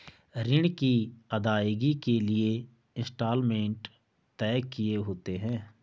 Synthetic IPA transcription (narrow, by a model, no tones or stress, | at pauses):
ɾɪɽ̃kiɐd̪aːjɡikelie | ɪ̃nsʈaːlmẽːɳʈ | t̪ɛːkieɦoːt̪eɦɛ̃ː